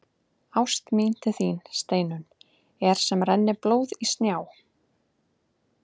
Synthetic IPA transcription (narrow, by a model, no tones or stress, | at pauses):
awst̪min̥t̪ɪθiːnst̪eːjnʏn | ɛɾ̥sɛmɾɛnːɪploːwðist̪njaːw